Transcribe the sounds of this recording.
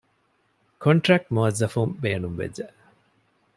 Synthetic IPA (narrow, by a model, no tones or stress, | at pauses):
kʰoɳʈɾæk̚ʈmuɐzːɐfumbeːnumʋḛd͡ʒːeʔ